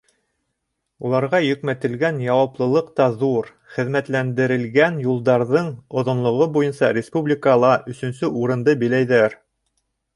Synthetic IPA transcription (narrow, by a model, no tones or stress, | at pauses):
ulˠɑɾʁɑjɵ̆kmæt̪ɘ̆lɡænjɑwɑplˠɤ̆lˠɤqt̪ɑðuɾ | χɘ̆ðmæt̪lænd̪ɘ̆ɾɘ̆lɡænjulˠd̪ɑɾðɤɴŏðŏnlˠŏʁɤbujɤnsɑɾʲɪspublʲikɑlˠɑʔɵ̆sɵ̆nsɵuɾɤ̆nd̪ɤbĭlæjðæɾ